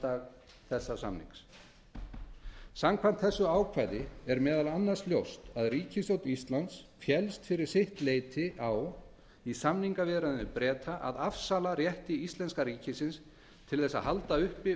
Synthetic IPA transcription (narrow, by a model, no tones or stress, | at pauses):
aːɣ | θɛsːasa̰mnḭŋks | samkʰvan̥t̪θɛsːʏaːwkʰvajðɪɛɾmɛːðalanːaɾsljowst̪aðriːcɪsowt̪ist̪lant̪sfjɛlst̪fɪɾɪɾ̥sɪht̪leːjt̪ʰɪʔaw | isamniŋkavɪðɾaðnʏpɾɛːt̪ʰaʔa̰ðafsaːlarjɛht̪ɪist̪lɛnskaɾiːcɪsɪns | t̪ʰɪlθɛsːa̰ɦalt̪aʏhpɪ